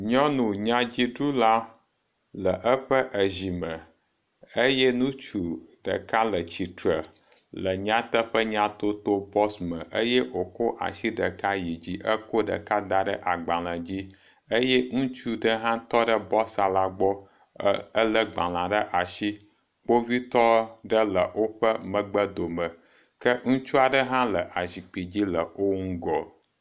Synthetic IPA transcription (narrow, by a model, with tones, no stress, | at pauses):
ɲɔ̃˦nũ˨ɲã˦d͡ʑi˦ɖɾu˦la˦ | lə˨ʔə˦ɸə˦ʔə˨zi˨mə̃˨ | ə˦jɛ˦nũ˦t͡ʃu˨ɖ̥ə̰˨ka˦lə˨t͡ɕi˨t̪ɾə˨ | lə˨ɲã˦t̪ə˦ɸə˦ɲã˦t̪o˦t̪o˦bɔ˦smə̃˨ʔə˦je˦o˨ko˦ʔa̰˨ʃi˦ɖə˨ka˦ji˨d͡ʑi˦ʔə˦ko˦ɖə̰˨ka˦d̪a˦ɖə˦ʔa˨ɡ͡bã˨lə̃˨d͡ʑi˦ | ə˦jɛ˦ŋũ˦t͡ʃu˦ɖə˦ɦã˦t̪ɔ˦ɖə˦bɔ˦sa˨la˦ɡ͡bɔ˦ | ə˦lə˦ɡ͡bã̰˨l̃ã˨ɖə˦ʔa˨ʃi˦ | k͡po˦vi˦t̪ɔ˦ɖə˦lə˨wo˦ɸə˦mə̃˨ɡ͡bə˦d̪o˨mə̃˨ | kə˦ŋũ˦t͡ʃu˦a˨ɖə˦ɦã˦lə˨ʔa˨zi˨k͡pi˨d͡ʑi˦lə˨o˦ŋũ˦ɡɔ˨